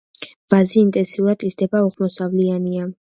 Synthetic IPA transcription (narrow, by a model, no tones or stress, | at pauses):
b̥aziːnt̪ʼɛnsiuɾad̪isd̪ɛbauʁmɔsavliania